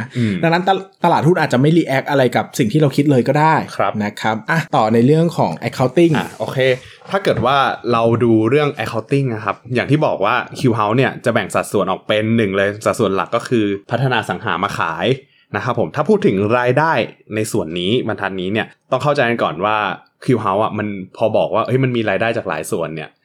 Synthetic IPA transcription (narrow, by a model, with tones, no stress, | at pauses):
ɯ˧˩da˧ŋna˦˥nt̪a˧t̪a˧aː˨˩t̪̚hu˥˩nʔaː˨˩t̪̚t͡ɕa˨˩ma˥˩jliː˧ʔɛ˦˥k̚ʔa˧ɾa˧jka˨˩p̚si˨˩ŋt̪ʰiː˥ɾa˧wkʰi˦˥t̪̚lɤː˧jkɔː˥˩daː˥˩jkʰɾna˦˥kʰɾa˦˥p̚ʔa˧˩t̪ɔː˨˩na˧jɾɯ˥˩əŋkʰɔː˩˦ŋʔɛ˦˥kʰːa˦˥wt̪i˥˩ŋ̰˧ʔoː˧kʰeː˧ | t̪ʰaː˥˩kɤː˨˩t̪̚waː˥˩ɾa˧wduː˧ɾɯ˥˩əŋʔɛ˦˥kʰːa˧˦˥wt̪i˥˩ŋna˦˥kʰa˦˥p̚jaː˨˩t̪ʰiː˥˩bɔː˨˩k̚waː˥˩kʰi˧wɦa˦˥wni˥˩ɐt͡ɕa˨˩bɛ˨˩ŋsa˨t̪̚su˨˩˦ənʔɔː˨˩k̚pe˧nːɯ˨˩ŋlɤː˧jsa˨˩t̪̚su˨˩ə˦nla̰˨˩kːɔː˥˩kʰɯː˧pʰa˦˥t̪ʰːa˧naː˧sa˩˦ŋɦaː˩˦maː˧kʰa̰ː˩˦j | na˦˥kʰa˦˥pʰːo˩˦mt̪ʰaː˥˩pʰuː˥˩t̪ʰːɯ˩˦ŋɾaː˧jdaː˥˩jna˧jsu˨˩ənːiː˦˥wa˧nt̪ʰa˦˥t̪̚niː˦˥ni˥˩ɐt̪ɔ˥˩ŋkʰa˥˩wt͡ɕa˧jma˧nkɔ̰ː˨˩nwaː˥˩ | kʰi˧wɦa˦˥wʔa˨˩ma˧npʰɔː˧bɔː˨˩k̚waː˥˩ʔɤ˦˥jma˧nmiː˧ɾaː˧jdaː˥˩jt͡ɕaː˨˩k̚la̰ː˩˦jsu˨˩ənːi˥˩ɐ